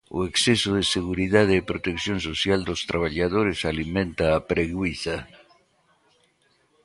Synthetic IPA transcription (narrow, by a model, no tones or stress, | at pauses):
o̰eksesoðeseɣuɾiðaðeːpɾot̪ekθjonsosjald̪ost̪ɾʔaβ̞aʎaðoɾesalimẽnt̪aːpɾeɣwiθa